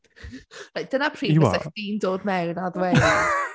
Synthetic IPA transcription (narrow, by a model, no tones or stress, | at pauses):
lajk̚d̥ənapʰr̥iːiwa̰akd̥iːndoːðmɛwnaðwɛ